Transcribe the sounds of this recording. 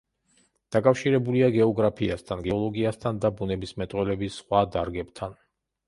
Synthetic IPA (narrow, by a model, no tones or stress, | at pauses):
d̪̥akʼafʃiɾɛbuliaɡɛɔɡɾapʰiast̪ʰanɡɛɔlˠɔɡiast̪ʰand̪abunɛbismɛt̪ʼwɛlɛbisχwad̪aɾɡɛpt̪ʰan